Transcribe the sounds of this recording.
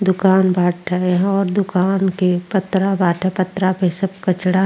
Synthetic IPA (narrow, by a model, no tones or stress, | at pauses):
d̪ʊkaːnbʱaːʈʰɛjɦɔːɾd̪ʊkaːnkepət̪ɾabʱaːʈʰɛpət̪ɾapesəb̚kət͡ʃɽa